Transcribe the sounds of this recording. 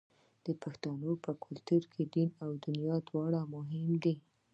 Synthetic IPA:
d̪̥əpaxt̪ɑnopəkʰʊlt̪uɾkʰed̪inawd̪ʊnjɑd̪wɑɽamʊɦɪmd̪i

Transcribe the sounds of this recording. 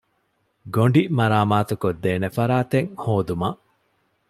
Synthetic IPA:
ɡoɳɖimɐɾaːmaːt̪ukod̪ːeːnefɐɾaːt̪eŋhoːd̪umɐʔ

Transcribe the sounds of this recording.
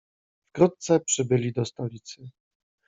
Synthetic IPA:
fkɾut̪̚t̪sɛpʂɘbɘlʲid̪ɔst̪ɔlʲit̪sɘ

